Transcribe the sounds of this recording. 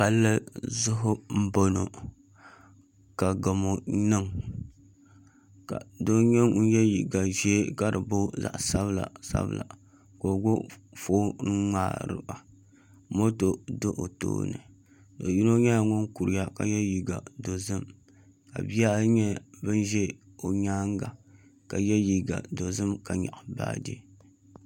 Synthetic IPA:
pa˨lːɨ˦zʊ˦ɦʊ˦m̩˦bo˦no̰˨ | ka˨ɡa˨mo˨nɨ˦ŋ | ka˨do˦ɲɛ˦ŋ˦n̩˦jɛ˦jḭ˨ɡa˨ʒɛː˦ka˦ɾɨ˨bo˦za̰˨ʔsa˦βla̰˨sa̰˦bɨ̰˦la̰˨ | ko˨ɡʷo˦foː˦n˦ŋa̰ː˦ɾɨ̰˦ba˨ | mo˦to˨do˦ʔo̰˨to̰ː˦nɨ̰˨ | do˨ji˦no˦ɲɛ˦ja˨ŋʊ˦nku˨ɾi˨ja˦ka̰˨jɛ˦ji˨ɡa˨do˨zɨ˦m | ka˨bi˦a˦ɲɛ˦bɨ˦n˦ʒɛ˦ | o˨ɲaː˦ŋ˦ɡa˨ | ka˨jɛ˦ji˨ɡa̰˨do˨zɨ˦mka˨ɲa̰˨ʔba̰ː˦dḭ˦

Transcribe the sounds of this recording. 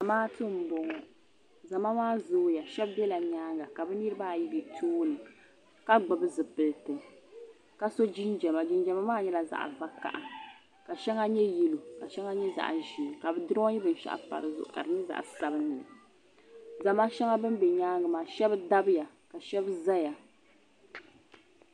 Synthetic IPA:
za˨maː˦tɨ˦m̩˨bɔ˨ŋɔ˨ | za˨ma˦maː˦zoː˦ja˨ʃɛ˦bbɛ˦la˨ɲaː˦ŋɡa˨ka˨bɨ˦nɨ˦ɾɨ˦baː˦˨ji˦bi˨tʰuː˦nɨ˨ | ka˦ɡ͡bɨ˨bɨ˦zɨ˨pɨ˨ltɨ˨ | ka˦so˦d͡ʒi˦nd͡ʒɛ˨ma˨d͡ʒi˦nd͡ʒɛ˨ma˦maː˦ɲɛ˦la˨za̰˨ʔa̰˨va˦ka̰˨ʔa˨ | ka˨ʃɛ˦ŋa˦ɲɛ˦ji˦lu˨ka˨ʃɛ˦ŋa˦ɲɛ˦za̰˨ʔʒiː˨ka˨bɨ˦dɨ˦ɾɔ˦ji˦bɨ˨n˦ʃa̰˦ʔpa̰˨ɾɨ˨zʊ̰˦˨ʔʊ˦˨ka̰˨ɾɨ˨nɨ˦za̰˨ʔsa˨bɨ˦nɨ˨nɨ̰˨ | za˨ma˦ʃɛ˦ŋa˦bɨ˦n˦bɛ˨ɲaː˦ŋɡɨ˨maː˨ʃɛ˦bda˦bɨ˦ja˨ | ka˨ʃɛ˦bza˦ja˨

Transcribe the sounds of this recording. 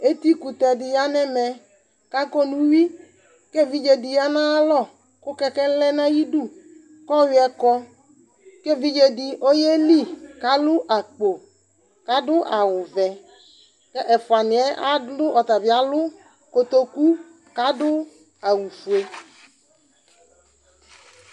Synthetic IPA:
e˦t̪i˦ku˨t̪ɛ˨dɪ˨ja˦nɛ˦mɛ˨ | ka˦kɔ˦nũ˦wi˦ | ke˦˨vi˦d͡ʒe˨dɪ˨ja˦nã˦lɔ˦˨ | kʊ˦kɛ˦kɛ˦lɛ˦nã˦ji˦du˦ | kɔ˦wɪ˨˦ɛ˦kɔ˦ | ke˦vi˦d͡ʒe˦dɪ˨ʔo˦je˦li˦˨ka˦lʊ˦ʔa˨k͡po˨ | ka˦dʊ˦ʔa˨wʊ˨vɛ˨ | kɛ˦ʔɛ˨fʊ˨a˨nɪ̃˨ɛ˦ʔa˦dʊ˦ʔɔ˨t̪a˨vi˨˦a˦lʊ˦ | ko˨t̪o˦ku˦ | ka˦dʊ˦ | a˨wu˨fu˨e˨

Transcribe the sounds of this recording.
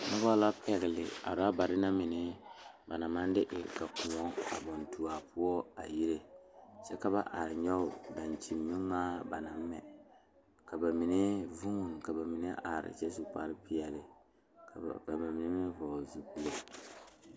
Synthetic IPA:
nʊ˦ba˦la˦pɛ˨ɣɪ˨lɪ̰˨a̰˨ɾa˦ba˨ɾɪ˦na˦mɪ˨nɪ˦ | ba˨na˨ma˦n˦dɪ˦ʔɪ˨ka˨ku˨ɔ˦ŋa̰˨bɔ˨ntu˨a˨pʊ˦ɔ˦a̰˨ji˦ɾe˦t͡ʃɛ˦ka˦ba˦ʔa˨ɾɪ˨ɲɛ˦ʊ˦da˨nt͡ʃi˨mːɪ˦ŋmaː˦ba˨na˨m˦mɛ̰˨ | ka˨ba˨mi˨ne˦vu˦ŋu˨n˨ka˨ba˨mɪ˨ne˦ʔa˨ɾɪ̰˨t͡ʃɛ˦zu˦k͡pa˦ɾɪ˦pi˦ɛ˨lɪ˨ | a˨ba˨mɪ˨nɛ˦mɛ˦vɔ˨zu˨ku˦lo˦

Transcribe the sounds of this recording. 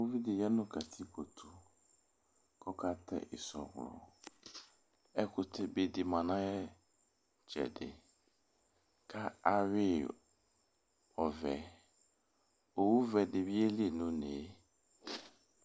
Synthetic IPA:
wo˦vi˦dɪ˨jɛ˦nʊ̃˦kʰa˨tʰi˦kʰo˨tʰu˨ | kʰɔ˦kʰa˦tʰɛ̰˨ʔɪ̰˨sɔ̰˨ɣlɔ̰˨ | ɛ˦kʰʊ˨tʰɪ˦be˨di˨mã˨nã˦jɛ˦ | d͡ʒɛ̰˨dɪ̰˨ | kʰa˦a˦ɥɪ˦ | ɔ˨vɛ˨ | o˨wu˦vɛ˨dɪ˨bi˦e˦li˦e˨nʊ̃˦ne˨˦

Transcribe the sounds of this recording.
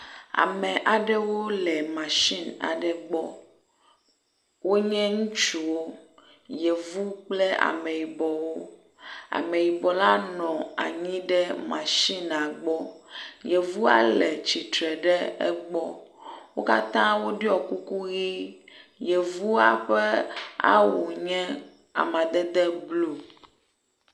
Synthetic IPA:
a̰˨mɛ˨ʔa˨ɖɛ˦wo˦lɛ˨mã˨ʃi˦na̰˨ɖɛ˦ɡ͡bɔ˦ | wo˦ɲɛ̃˦ŋũ˦t͡ʃu˨wo˦ | je˨vu˦k͡plɛ˦a̰˨mɛ̃˨ji˨bɔ˨wo˦ | a̰˨mɛ˨ji˨bɔ˨la˦nɔ̃˨a̰˨ɲĩ˦ɖɛ˦mã˨ʃi˦nã˨ɡ͡bɔ˦je˨vu˦a̰˦lɛ˨t͡ɕi˨t̪ɾɛ˨ɖɛ˦ɛ˦ɡ͡bɔ˦wo˦ka˦t̪ã˦wo˦ɖi˦ɔ˨ku˦ku˦ɣi˦je˨vu˦a˦ɸɛ˦a̰˦wo˨ɲɛ̃˦ | a̰˨mã˨d̪ɛ˦d̪ɛ˦blu˦

